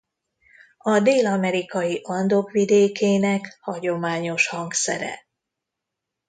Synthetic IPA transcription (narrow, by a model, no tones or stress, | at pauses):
ɒd̪eːlɒmɛɾikɒjiʔɒnd̪o̞kʋid̪eːkeːnɛkhɒɟo̞maːɲo̞ʃhɒŋksɛ̰ɾɛ̰